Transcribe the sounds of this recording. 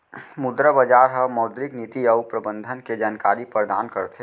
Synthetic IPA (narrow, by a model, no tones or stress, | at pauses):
mʊd̪ɾəbəd͡ʒaːɾɦɐmɔːd̪ɾɪknit̪iɐupɾəbə̃nd̪ʱənked͡ʒaːnkaːɾipɾd̪a̰ːnkəɾt̪ʰe